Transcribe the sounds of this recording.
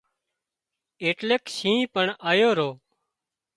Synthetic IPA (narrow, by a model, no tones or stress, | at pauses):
eːʈleːksĩːpəɳaːjoːɾoː